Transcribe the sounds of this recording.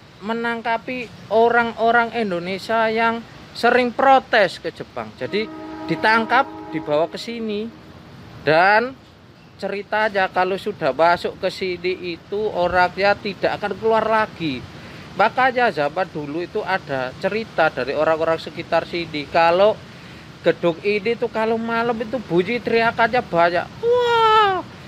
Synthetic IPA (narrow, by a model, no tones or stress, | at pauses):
mənaŋkapioɾaŋoɾaŋind̪onesiajaŋ | səɾɪŋpɾot̪ɛskə̥d͡ʒ̥ə̤pa̰ŋd͡ʒadid̥it̪aŋkap̚d̥i̤b̥awakəsini | d̥an | t͡ʃəɾit̪aɲakalosud̥a̤hmasʊʔkəsiniʔit̪uoɾaŋjat̪id̥aʔakankəluarlaɡ̥i | makajazamad̥uluit̪uʔad̥at͡ʃəɾit̪adaɾioɾaŋoɾaŋsəkit̪arsinikalo | ɡ̥əɖ̥ʊkinit̪ukalomaləmit̪̬ub̥ujit̪ɾiakaɲab̥aɲa̰ʔa